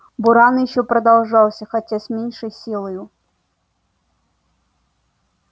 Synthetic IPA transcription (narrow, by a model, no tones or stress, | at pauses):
bʊɾɑnɪjʃɔpɾɐd̪ɐlˠʐɑw̪ˠsʲɐxɐtʲasʲmʲinʲʃɪjsʲilˠɐjʊ